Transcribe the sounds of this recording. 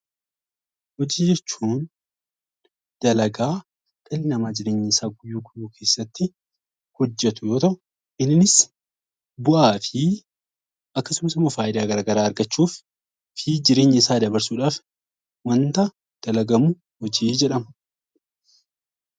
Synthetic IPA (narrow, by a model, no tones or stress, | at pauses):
hɔd͡ʒiːd͡ʒɛt͡ʃːuːn | d̪̥ɐlɐɡaː | ɡ̥ɐlɪnɐmaːd͡ʒɪɾe̞ːɲːɪɪsaːɡʊjːuːɡʊjːuːkʰe̞ːsːɐt̪ːɪ | hɔd͡ʒːɛt̪ʊjo̞ːt̪ɐʔʊ | ʔɪnɪnɪs | bʊʔaːfɪ | ʔɐkːɐsʊmɐsʊmɐfaːʔɪd̪aːɡɐɾaːɡɐɾaːɐɾɡɐt͡ʃːuːf | fɪd͡ʒɪɾe̞ːɲːɪɪsaːd̪ɐbɐɾsuːᶑaːf | wɐnt̪ɐ | d̪̥ɐlɐɡɐmʊ | hɔd͡ʒiːd͡ʒɛᶑɐmɐ̥